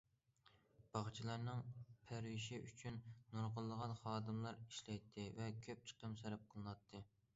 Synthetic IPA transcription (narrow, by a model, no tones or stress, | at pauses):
b̥ɑʁt͡ʃʰilˠɑɾnɨŋpʰæɾwiʃiyt͡ʃʰynːuɾʁəlˠːəʁɑnχɑːd̪ɨmlˠɑɾiʃlɛjt̪ʰːɨvɛkʲʰøp̚t͡ʃʰə̥qəmsæɾɛp̚qʰəlˠɨnɑt̪ʰːɨ